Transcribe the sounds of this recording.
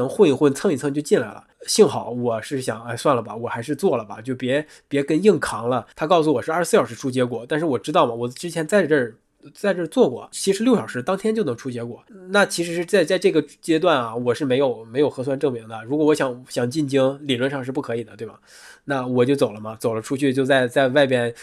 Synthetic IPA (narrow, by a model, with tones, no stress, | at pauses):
nɤ˧˥ŋxwə˥˧i˥˧ŋxwə˥˧nt͡sʰɤ˥˧ŋi˥˩t͡sʰɤ˥˧ŋt͡ɕjo˥˧t͡ɕi˥˩nla˧˥ɪlə̰˩ɕi˥˩ŋxɑ˨˩˦ʊwɔ˨˩ʂɻ̩˥˩ɕjɑ̰˨˩˦ŋa˥˧ɪswa˥˩nlə˩bɐ̰˩wɔ˨˩xa˧˥ɪʂɻ̩˥˧t͡swɔ˥˩lə˩bɐ̰˩t͡ɕjo˥˩ʊpjɛ˧˥ | pjɛ˧˥kə˥˧ni˥˩ŋkʰɑ˧˥ŋlə˧t̪ʰa˥kɑ˥˩ʊs̬u˩wɔ˨˩ʂɻ̩˥˧˥s̩˥˩jɑ˨˩ʂɻ̩˥˧ʈ͡ʂʰu˥t͡ɕjɛ˧˥k̬wɔ˨˩˦t̪a˥˧nʂɻ̩˥˩wɔ˨˩ʈ͡ʂɻ̩˥t̪ɑ˥˩ʊmɐ˩wɔ˨˩ʈ͡ʂɻ̩˥t͡ɕʰjɛ˧˥nt͡sa˥˧ɪʈ͡ʂə˞˥˩ | t͡sa˥˧ɪʈ͡ʂə˥˧t͡swɔ˥˩kwɔ̰˥˩t͡ɕʰi˧˥ɻ̩˧˥ljo˥˩ʊʂɑ˨˩ʊʂɻ̩˥˩t̪ɑ˥ŋt̪ʰjɛ˥nt͡ɕo˥˩ʊnɤ˧˥ŋʈ͡ʂʰu˥t͡ɕjɛ˧˥kwɔ˨˩na˥˩t͡ɕʰi˧˥ʂɻ̩˧˥ʂɻ̩˥˧t͡sɪt͡sa˥˧ɪʈ͡ʂɤ˥˩ɡə˩t͡ɕjɛ˥t̪̬wa˥˩nɐ˩wɔ˨˩ʂɻ̩˥˩me˧˥ɪjo˨˩ʊme˧˥ɪjo˨˩ʊxɤ˧˥s̬wa˥˧nʈ͡ʂɤ˥˩ŋmi˧˥ŋd̪ə˧ɻu˧˥k̬wɔ˧˩wɔ˧˥ɕjɑ˧˥˦ŋɕjɑ˨˩ŋt͡ɕi˥˩nt͡ɕi˥ŋli˨˩ɻwə˧nʂɑ˥˧ŋʂɻ̩˥˧p̬u˥˩kʰɤ˧˥i˨˩d̪ə˦t̪we˥˩ɪɐ̰˩ | na˥˩wɔ˨˩t͡ɕjo˥˩ʊt͡so˨˩lə˦mɐ˧t͡so˨˩ʊlə˦ʈ͡ʂʰu˥t͡ɕʰy˥˩t͡ɕjo˥˧ʊt͡sa˥˧ɪt͡sa˥˧ɪwa˥˧ɪpjɛ˥˩n